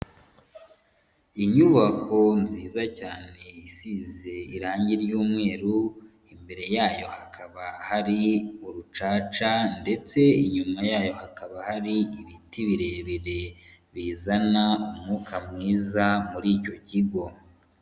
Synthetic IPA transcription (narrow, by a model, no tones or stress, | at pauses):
iɲuβakʰo̞nziːzacaːne̞isize̞iɾaːɲɟiɾjuːmŋe̞ːɾu | imbe̞ɾe̞jaːjo̞hakʰaβahaɾiuɾut͡ʃaːt͡ʃande̞t͡se̞iɲumajaːjo̞hakaβahaɾiiβitiβiɾe̞βiɾe̞βiːzanaumŋuːkʰamŋiːzamuɾiːco̞ciɡo̞